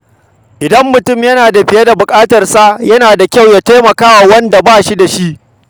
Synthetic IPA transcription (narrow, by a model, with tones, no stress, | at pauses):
ʔɪ˨dɐ˦mːʊ˨tʊ˦˨mjɐ˦naː˨da˨ɸɪ˨jɐ˦da˨bʊ˨kʼaː˦tɐ˨rsa˦jɐ˦naː˨da˨kʲa˦˨wja˦ta˦mɐ˨kaː˦wa˨wɐ˦nda˨baː˦˨ʃi˦da˨ʃi˦ʔ